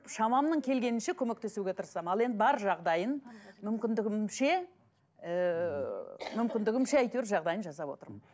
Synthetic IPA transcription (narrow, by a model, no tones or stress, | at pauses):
ʃɑmɑmnəɴkʲʰe̞lɡʲe̞nɪnʃekʲʰɵme̞k̚t̪e̞suɡʲe̞t̪ʰəɾəsɑmɑlˠe̞nd̪ɪbɑɾʒɑʁd̪ɑjənmʏmkʲɪnd̪ɪɡʲɪmʃe̞ | ə | mʏmkʲɪnd̪ɪɡʲɪmʃeæjt̪eɾʒɑʁd̪ɑjənʒɑsɑpwo̞t̪əɾmən